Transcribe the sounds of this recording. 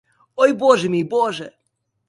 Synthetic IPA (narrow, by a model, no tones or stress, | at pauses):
ɔjbɔʐɛmʲibɔʐɛ